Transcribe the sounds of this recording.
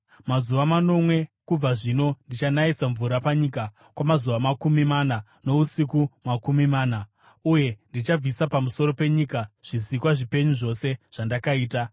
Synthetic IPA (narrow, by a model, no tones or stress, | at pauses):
mazuʋamano̞mwe̞kub͡vaʐino̞ndit͡ʃanaisaɱvuɾapaɲika | kwamazuʋamakumimana | no̞usikumakumimaːna | uje̞ndit͡ʃab͡visapamuso̞ɾo̞pe̞ɲikaʐ̥isikwaʐipe̞ɲuʐo̞se̞ʐ̥andakaiːta